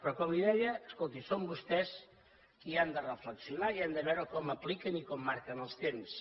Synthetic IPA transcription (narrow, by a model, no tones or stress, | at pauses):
pɾɔkɔmliðɛʎəːskɔlˠt̪isombust̪ɛs | kiand̪ərəfləksiunaiand̪əβɛɾokɔməplikənikɔmːaɾkənəlˠst̪ems